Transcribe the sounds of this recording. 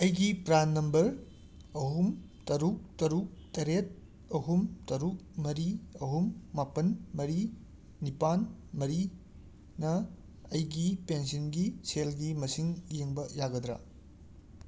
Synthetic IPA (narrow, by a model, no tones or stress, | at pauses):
ɐjɡipɾanːɐmbɐɾ | ɐɦum | tɐɾuk̚tɐɾuk̚tɐɾet̚ | ɐɦumtɐɾuk̚mɐɾiɐɦumːapɐnmɐɾi | nipanmɐɾi | nɐ | ɐjɡipensɐnɡiselɡimɐsiŋjeŋbɐjaɡɐd̪ɾɐ̰